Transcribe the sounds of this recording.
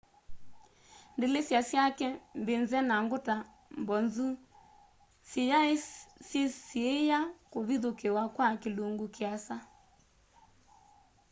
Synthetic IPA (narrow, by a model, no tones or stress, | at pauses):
ndelesjasjakɛmbenzɛnaŋɡota | mbɔnzu | sijasesiejakoβiðokewakwakeluŋɡukeasa